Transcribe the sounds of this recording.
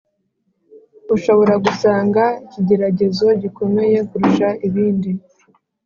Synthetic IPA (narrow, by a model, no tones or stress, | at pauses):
uʃo̞βo̞ɾaɡusaːŋɡaiciɟe̞ɾaɟe̞zo̞ɟiko̞me̞je̞kuɾuʃaiβiːndi